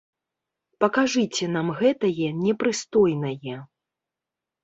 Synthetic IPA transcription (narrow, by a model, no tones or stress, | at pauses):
pɐkaʐɨt͡sʲɛnamɣɛt̪ɐjɛnʲɛpɾɨst̪ɔjnɐjɛ